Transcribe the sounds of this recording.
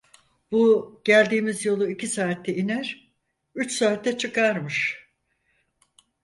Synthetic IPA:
buɟ̥ælʲd̪iːmizjo̞lˠuicʰisaːt̪ʰːɛinæɾ̥ | yt͡ʃsaːt̪ːɛt͡ʃʰɯkʰaɾmɯʃ

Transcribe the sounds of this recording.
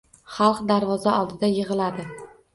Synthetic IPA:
χɑlˠqd̪aɾvɒzaɒlˠd̪ɪd̪ajɪʁɨlad̪ɪ

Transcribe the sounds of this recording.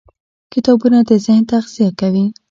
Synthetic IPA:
kɪt̪ɑbunad̪əzɪhnt̪axz̥ijakawi

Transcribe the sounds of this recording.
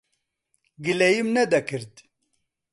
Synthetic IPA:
ɡɨlɛjimnɛd̪ɛkɨɾd̪

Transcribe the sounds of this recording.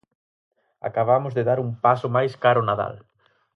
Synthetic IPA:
a̰kaβ̞amʊzðeðaɾumpasʊmajskaɾʊnaða̰l

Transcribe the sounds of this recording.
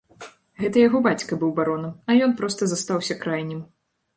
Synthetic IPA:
ɣɛt̪ɐjaɣɔbat͡sʲkɐbɨwbaɾɔnɐmɐjɔnpɾɔst̪ɐzast̪awsʲɐkɾajnʲɛm

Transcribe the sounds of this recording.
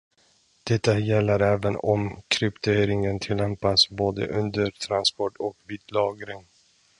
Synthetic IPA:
d̪̥ɛt̪ːajɛlːəɾɛːvənɔmkʰɾʏpt̪ʰeːɾɪŋənt̪ʰɪlːɛmpasboːd̪ə̰ʔɵnd̪əɾt̪ʰɾanspɔʈʰɔkviːt̪lɑːɡɾɪŋ

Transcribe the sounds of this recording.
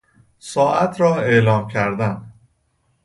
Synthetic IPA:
sɒːʔæt̪ʰɾɒːelɒːmcʰæɾd̪æn

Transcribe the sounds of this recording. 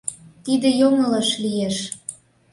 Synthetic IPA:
t̪id̪ĕjoŋə̆lɑʃlijeʃ

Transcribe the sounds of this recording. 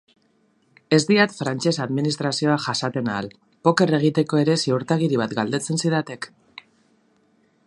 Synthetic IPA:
e̞zd̪iat̪fɾant͡ʃe̞saðminist̪ɾasio̞aʝasat̪e̞naːl | po̞ke̞re̞ɣ̞it̪e̞ko̞e̞ɾe̞seuɾt̪aɣiɾiβ̞at̪ɡald̪e̞t͡se̞nsiðat̪e̞k

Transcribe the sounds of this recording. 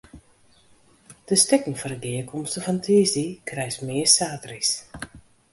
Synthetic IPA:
d̥əstɪkəŋfɔɾəɡiəkʰɔmstəfɔntʰiːzdikrɛjsmɪəsaːtris

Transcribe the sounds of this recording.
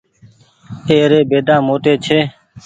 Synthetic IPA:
eːɾeːbeːɖ̪ʱãːmoːʈeːt͡ʃʰeː

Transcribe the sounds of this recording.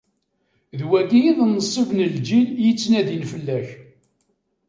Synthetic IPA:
ðwæɡijiðnːəsˤːivnəld͡ʒiljət͡sːnæðinfəlːæç

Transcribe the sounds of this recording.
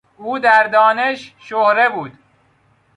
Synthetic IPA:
uːd̪æɾd̪ɒːneʃʃohɾe̞buːd̪

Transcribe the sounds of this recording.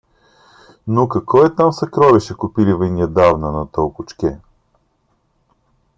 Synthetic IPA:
nokɐkvɔɛt̪amsɐkɾɔvɛʃɛkʊpilivɐnʲiəd̪avnənɐt̪əlˠkʊt͡ʃk̟ʲɛ

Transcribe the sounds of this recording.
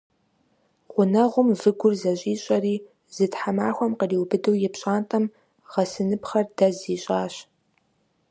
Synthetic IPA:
qʷʊnɐʁʷʊmvɨɡʷʊrzɐɕʼiːɕʼɐriː | zɨtħamaːxʷɔmqəriːwbɨdɨwjɪpɕʼaːntʰʼɐm | ʁ̥ɐsɨnɨpχɐrdɐziːɕʼaːɕ

